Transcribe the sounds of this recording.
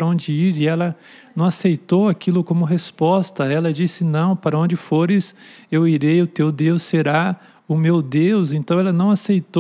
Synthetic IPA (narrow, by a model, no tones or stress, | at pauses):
ɾɐõnd͡ʒɪiɾɪɛlɐ | nɐ̃w̃asejt̪owakilʊkõmʊɦespɔst̪ɐɛlɐd͡ʒisɪnɐ̃w̃paɾɐõnd͡ʒɪfoɾɪsewiɾejʊt̪ewd̪ewsːeɾa | ʊmewd̪ewzẽnt̪ɐ̃w̃ɛlɐnɐ̃w̃asejt̪o